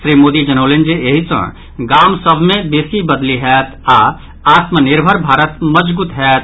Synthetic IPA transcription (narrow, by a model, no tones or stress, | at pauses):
sɾiːmoːd̪id͡ʒənəʊlend͡ʒeeɦisə̰̃ | ɡaːmsəbʱmẽbeːsibəd̪liɦɛːt̪ʰa | aːt̪məniɾbʱəɾbʱaːɾət̪məd͡ʒɡut̪ɦɛt̪